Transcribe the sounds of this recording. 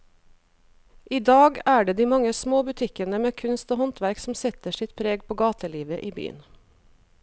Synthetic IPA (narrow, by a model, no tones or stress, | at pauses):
ʔiːd̪ɑːɡæːɖeːd̪iːmɑŋəsmoːbʉt̪ʰɪkənəmeːkʰʉnst̪oːhɔnt̪ʋæɾksm̩sɛt̪əʃɪt̪̚pʰɾeːɡ̚pʰoːɡɑːt̪əliːʋəʔiːby̰ːə̰n